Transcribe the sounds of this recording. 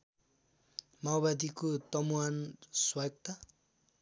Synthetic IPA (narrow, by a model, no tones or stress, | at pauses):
mawbad̪ikot̪ʌmuanswajɡ̚t̪a